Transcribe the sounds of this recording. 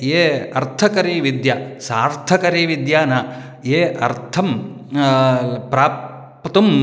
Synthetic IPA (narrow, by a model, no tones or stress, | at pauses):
eːɐɾt̪ʰɐkɐɾiːʋid̪jɐsaːɾt̪ʰɐkɐɾiːʋid̪jaːnɐ | eːɐ̰ɾt̪ʰɐm | pɾaːp | pɐt̪um